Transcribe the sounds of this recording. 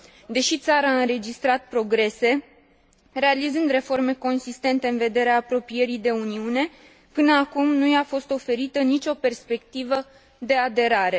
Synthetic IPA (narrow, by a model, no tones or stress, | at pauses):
d̪e̞ʃit̪saɾaɨnɾe̞d͡ʒist̪ɾat̪̚pɾo̞ɡɾe̞se̞ | re̞alizɨnd̪re̞fo̞rme̞ko̞nsist̪e̞nt̪eɨnve̞d̪e̞ɾeaːpɾo̞pije̞ɾijd̪e̞uniune̞ | pɨnəakumnujafo̞st̪o̞fe̞ɾit̪ənit͡ʃʲo̞pe̞rspe̞kt̪ivə | d̪e̞ad̪e̞ɾaɾe̞